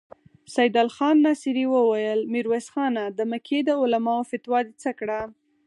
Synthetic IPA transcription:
sajd̪ɑlxɑnːɑsiɾiwəwajəlmiɾwesxɑnad̪əməkʰed̪əʊlamɑofɪt̪wɑd̪it͡səkɽa

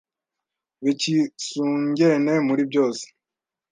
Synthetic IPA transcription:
βicisuːɲɟene̞muɾibɟo̞ːse̥

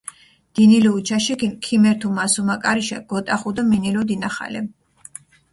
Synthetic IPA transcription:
d̪̥iniliut͡ʃʰaʃiɡinkʰimɛɾt̪ʰumasumakʼaɾiʃaɡ̥ɔt̪ʼaχud̪aminilɔd̪inaχa̰lɛ

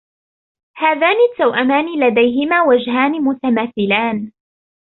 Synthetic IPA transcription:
haːðaːnɪt̪ːawʔamaːnɪlad̪ajɦɪmaːwad͡ʒɦaːnɪmʊt̪amaːθɪlaːn

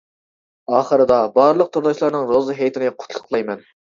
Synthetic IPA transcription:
ɑːχəɾɨd̪ɑbɑɾlˠəq̚t̪ʰuɾd̪ɑʃlˠɑɾnɨŋɾozɨɦejt̪ʰɪnqʰʊ̥t̪ʰlˠə̥qʰlˠɑjmɛn

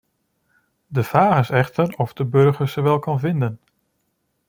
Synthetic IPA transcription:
dəfaːχɪsɛχtərɔfdəbɵɹχəɹsəʋɛlˠkɑnvɪndən

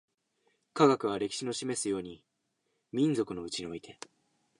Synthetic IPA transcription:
kaɡakɯ̟β̞aɾe̞kʲi̥ɕino̞ɕime̞sɨjo̞ːɲ̟i | mʲĩnd͡zo̞kɯ̟no̞ɯ̟t͡ɕiɲ̟io̞it̪ʰe̞

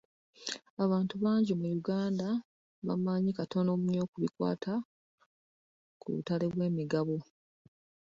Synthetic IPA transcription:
aβaːntuβaːɲɟemujuɡaːnda | βa̰maɲikato̞no̞ːmuɲo̞ːkuβikwa̰ːtʰa | kṵβṵtale̞βwe̞ːmiɡaβo

